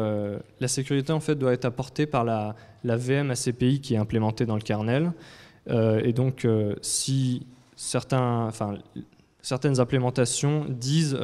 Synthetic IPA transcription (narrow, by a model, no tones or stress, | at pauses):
ølasekʲyʁit̪eɑ̃fɛt̪̚d̪waɛt̪χapɔʁt̪epaʁla | laveɛmasepeikʲiɛɛ̃plemɑ̃t̪ed̪ɑ̃ləkaʁnɛl | øed̪ɔ̃kʰøsi | sɛʁt̪ɛ̃ɑ̃fɛ̃ | sɛʁt̪ɛnzɛ̃plemɑ̃t̪asjɔ̃d̪iz